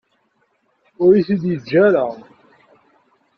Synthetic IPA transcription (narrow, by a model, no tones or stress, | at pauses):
ʊɾiθid̪jəd͡ʒːæɾa